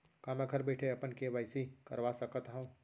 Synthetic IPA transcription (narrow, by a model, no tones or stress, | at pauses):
kãmɛ̃ɡʱɐɾbɛːʈʰeɐpənkeʋaɪsikəɾʋasəkət̪ɦũ